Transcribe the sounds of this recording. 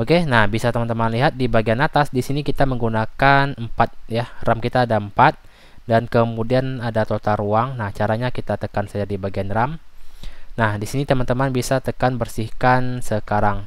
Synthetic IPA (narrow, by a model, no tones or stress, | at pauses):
okenahbisat̪əmant̪əmanliɦat̪̚dibaɡianat̪asdisinikit̪aməŋɡunakanəmpat̪̚jaramkit̪aːdaəmpat̪̚ | dankəmudianadat̪ot̪aɾuaŋnaht͡ʃaɾaɲakit̪at̪əkansad͡ʒadibaɡianram | nahdisinit̪əmant̪əmanbisat̪əkanbərsihkansəkaɾaŋ